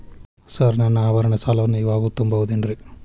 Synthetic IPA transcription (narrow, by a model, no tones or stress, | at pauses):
sɐɾnɐnːɐaːʋɐɾɐɳɐsaːlɐʋɐnːuiːʋaːɡut̪umbɐʋud̪inɾi